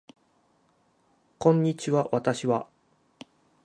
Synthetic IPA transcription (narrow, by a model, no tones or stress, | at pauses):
kõ̞ɲ̟ːit͡ɕiβaβat̪aɕiβa